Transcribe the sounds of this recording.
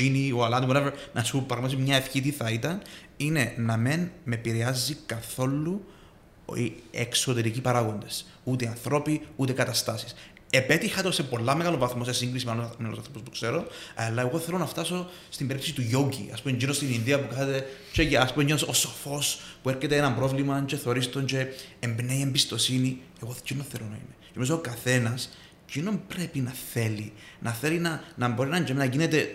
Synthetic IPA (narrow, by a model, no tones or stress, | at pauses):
inioalɐnt̪ivoneveɾnɐsupːɾɐɣmɐt̪izimɲɐefçit̪iθɐit̪ɐn | ine̞nɐmenmepiɾeɐzːikɐθo̞lːu | iḛkso̞t̪e̞ɾicipɐɾaɣo̞nd̪e̞s | ut̪eɐnθɾo̞piut̪e̞kɐt̪ɐst̪ɐsi̥s | epe̞t̪ixɐt̪ose̞po̞lːɐmeɣɐlovɐθmo̞sesiŋɡɾisimealomeɐlosanθɾopospukse̞ɾo̞alːɐeɣo̞θelonɐft̪ɐso̞ | st̪imbeɾipt̪isit̪uʝoɟḭɐ̰spumeɲɟinost̪ininðiɐpukɐnet̪et͡ʃeʝaspumeɲinososofo̞spueɾcet̪eenɐmbɾo̞vlimɐt͡ʃeθeo̞ɾist̪ont͡ʃe̞embneiembist̪o̞sinieɣot͡ʃinonθe̞lonɐḭnet͡ʃemizookaθe̞nɐs | cino̞mpɾe̞pinɐθe̞li | nʔɐθe̞linɐnɐmbo̞ɾinɐɲd͡ʒeminɐʝinet̪e̞